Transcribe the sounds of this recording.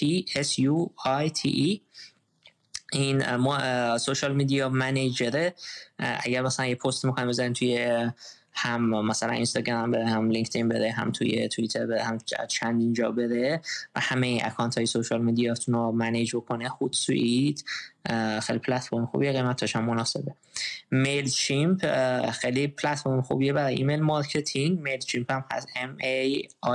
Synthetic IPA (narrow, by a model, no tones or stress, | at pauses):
tʰiesjuɒjt̪ʰḭʔ | inmɔsoʃɒlmid̪ijɒmæned͡ʒbeɾeʔæ̰ɟæɾmæsælænjepʰost̪mikxɒːjmbezaniːmt̪ʰuje | hæmːæsælæ̰nʔinst̪ɒɡɾæmæmbeɾehæmliŋkʰt̪ʰinbe̞ɾeɦæ̰mt̪ʰṵjḛt̪ʰuit̪ʰeɾbeehæmæ̰t͡ʃʰænd̪ind͡ʒɒ̰ːbe̞ɾevæ̰hæmeinʔæ̰kʰɒːnt̪ʰɒːjesoʃɒlmed̪ijɒt̪ʰunomæned͡ʒbo̞kʰonexud̪sṵʔid̪ | xejlipʰlæt̪fo̞ɾmexṵbieɣemæt̪ʰːɒʃæmːonɒːse̞̰be̞ | melt͡ʃʰimpʰxejlipʰlæt̪fo̞ɾmexṵbiebæɾɒjʔḭmelmɒɾcʰe̞t̪ʰiŋɡmelt͡ʃʰimpʰæmhæ̰semej